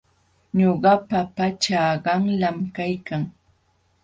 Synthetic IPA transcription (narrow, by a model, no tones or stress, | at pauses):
ɲoɢɑpapat͡ʃaɢɑŋlamkajkaŋ